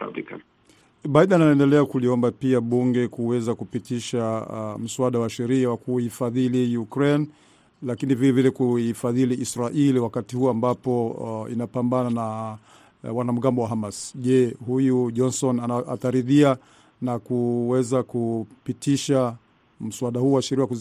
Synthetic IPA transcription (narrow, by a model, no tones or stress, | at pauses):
a̰bika̰ | ɓaiɗɛnanaɛndɛlɛakuliɔmbapiaɓuŋɡɛkuwɛzakupitiʃam̩suaɗawaʃɛɾiawakuifaðilijukɾɛn | lakinivilɛvilɛkuifaðiliʔːsɾaʔiliwakatihuɔambapɔḭnapambanana | wanam̩ɡambɔwaɦamasʄɛhujuʄɔnsɔnaʔataɾiðia | nakuwɛzakupitiʃa | m̩suaɗahuːwaʃɛɾiaaku